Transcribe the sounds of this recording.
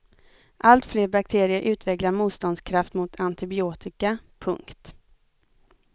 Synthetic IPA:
ʔalt̪fleːɾbak̚t̪ʰeːɾɪəɾʔʉ̟ːt̪vɛklaɾmuːt̪st̪ɔnd̪skʰɾaft̪mʊt̪ʰant̪ɪbɪoːt̪ɪkapʰɵŋkt̪

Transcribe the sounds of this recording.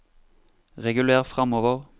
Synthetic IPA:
ʁɛɡʉleːʁfʁɑmoːʋəʁ

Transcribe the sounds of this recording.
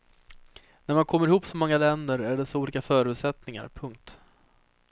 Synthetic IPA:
næɾmankʰɔmːəɾɪhuːpsɔmɔŋːalɛnd̪əɾæɖɛsɔuːliːkafœːɾʉːt̪sɛt̪nɪŋa̰ɾpʰɵŋk̚t̪

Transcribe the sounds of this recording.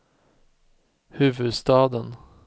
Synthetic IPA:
hʉ̟ːvɵd̪st̪ɑːd̪ən

